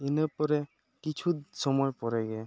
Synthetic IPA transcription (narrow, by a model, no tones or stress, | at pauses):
inɯpɔɾɛ | kit͡ʃʰusɔmɔjpɔɾajɡɛ